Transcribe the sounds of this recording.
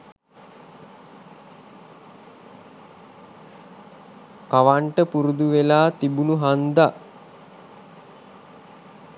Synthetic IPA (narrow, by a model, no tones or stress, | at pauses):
kaʋaɳʈəpuɾud̪uʋelaːt̪ibunuɦand̪aʔ